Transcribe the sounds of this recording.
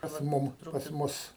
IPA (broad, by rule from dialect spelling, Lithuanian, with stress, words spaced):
pɐs ˈmʊm pɐs ˈmʊs